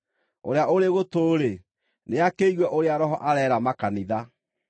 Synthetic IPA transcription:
o̰ɾeaʔoɾeɣotoɾe | neakeiɣwɛʔoɾeaɾɔɦɔʔaɾɛɾamakaniða

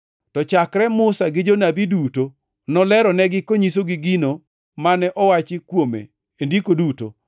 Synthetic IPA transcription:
tɔt͡ʃakɾɛmʊsaɡɪd͡ʒonabiduto | nɔlɛɾɔnɛɡɪkoɲis̬oɡɪɡino | manɛʔɔwat͡ʃɪkwomḛ | endikoduto̰

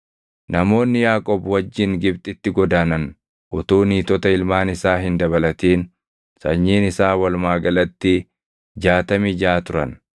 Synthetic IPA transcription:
nɐmo̞ːnːɪjaːkʼɔːbwɐd͡ʒːɪŋɡɪbt̪ʼɪt̪ːɪɡɔd̪aːnɐn | ʔʊt̪uːniːt̪ɔt̪ɐɪlmaːnɪsaːɦɪnd̪ɐβɐlɐt̪iːn | sɐ̰ɲːiːnɪsaːwɐlmaːɡɐlɐt̪ːɪ | d͡ʒaːt̪ɐmɪd͡ʒaːt̪ʊɾɐ̰n

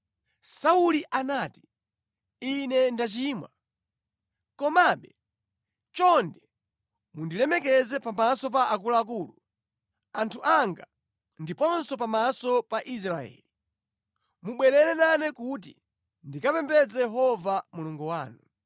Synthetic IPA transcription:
sauliʔanaːti̥ | inɛndat͡ʃimwa | kɔmaɓɛ | t͡ʃɔndɛ | mundilɛmɛkɛzɛpamasɔp̬aʔak̬ulaːk̬uːlu | antʰuʔaŋɡa | ndipɔnsɔpamasɔpaʔis̬ɾaɛ̰ːli | muɓwɛɾɛlɛnanɛkut̬ḭ | ndikapɛmbɛd͡zɛjɛɦɔvamuluŋɡuwaːnu

